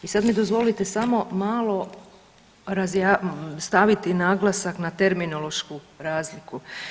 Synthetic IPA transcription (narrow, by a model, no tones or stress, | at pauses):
isad̪mid̪o̞zʋo̞lit̪esamo̞maːlˠo̞ | ɾazjast̪aʋit̪inaːɡlˠasaknat̪e̞ɾmino̞lˠo̞ʃku | ɾaːzliku